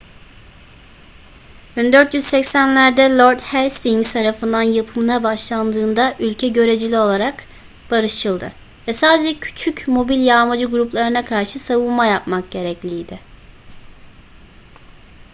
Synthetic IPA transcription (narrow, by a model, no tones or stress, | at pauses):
bynd̪øɾt̪jyzsɛcsænlʲæɾd̪ɛlʲˠo̞ɾd̪hælʲst̪iŋt̪ʰaɾafɯnd̪anjapʰɯmɯnabaʃlˠand̪ɯːnd̪aʔylʲcʰɛɟø̞ɾe̞d͡ʒilʲio̞lˠaɾak | b̥aɾɯʃʰɯlˠd̪ɯ̰ | vɛsaːd̪ed͡ʒɛcʰy̥t͡ʃʰycmo̞bilʲjaːmad͡ʒɯɡuɾuplˠaɾɯnakʰaɾʃɯsavɯnˠmajap̚mak̚ɟe̞ɾɛclʲijd̪ɪ